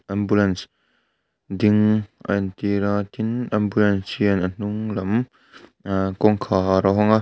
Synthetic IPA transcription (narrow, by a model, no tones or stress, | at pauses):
ʔɐmbulɐns | d̪ɪŋʔɐ̰nt̪iɾat̪ʰinɐmbulɐnsiɐnən̥uŋlɐm | kɔŋkʰaɾɔɦɔŋa